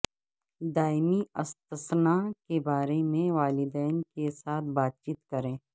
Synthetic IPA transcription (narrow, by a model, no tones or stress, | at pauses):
d̪aːɪmiɐst̪əsnakebaːɾemẽʋaːlɪd̪ɛːnkesaːt̪ʰbaːt̪̚t͡ʃiːt̪kɐɾẽː